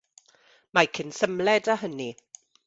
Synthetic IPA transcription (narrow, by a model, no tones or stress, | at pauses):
makʰənsəmlɛdaɦəni